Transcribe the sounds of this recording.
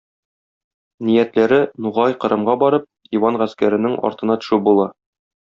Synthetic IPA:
nijæt̪læɾɘnuʁɑjqɤ̆ɾɤ̆mʁɑbɒɾɤp̚ | iwɑnʁæskæɾɘ̆nɘŋɒ̰ɾt̪ɤ̆nɑt̪ɵ̥̆ʃʉbulˠɑ

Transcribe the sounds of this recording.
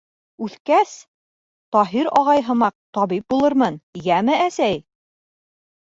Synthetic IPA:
ʉθkæs | t̪ɒɦiɾɒʁɑjɦɤ̆mɑq̚t̪ɒβip̚bulˠɤɾmɤnjæmɘʔæsæj

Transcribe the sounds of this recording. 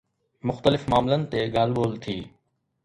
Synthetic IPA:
mʊxt̪əlɪfmaːmlənɪ̆t̪eɠaːlɓoːlt̪ʰiː

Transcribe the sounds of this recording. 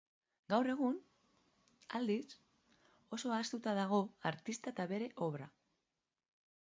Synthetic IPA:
ɡawre̞ɣ̞un | ald̪is | o̞so̞aːst̪ut̪aðaɣ̞o̞aɾt̪ist̪aet̪aβe̞ɾe̞ʔo̞βɾa

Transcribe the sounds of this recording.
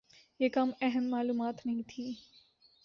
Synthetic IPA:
jeːkɐmɛɦəmmaːluːmaːt̪nɐɦĩt̪ʰĩː

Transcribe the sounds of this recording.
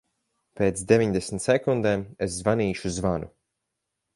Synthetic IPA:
peːt̪sd̪evʲiɲd̪esn̩t̪sɛkund̪eːmeszvaniːʃuzvanu

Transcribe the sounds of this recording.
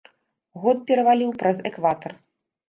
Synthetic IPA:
ɣɔt̪̚pʲɛɾɐvalʲiwpɾɐzɛkvat̪ɐr

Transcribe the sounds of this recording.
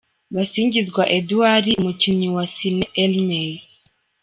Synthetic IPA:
ɡasiɲd͡ʒizɡwaʔɛduaɾimut͡ʃiɲiwasinɛʔɛlmɛi

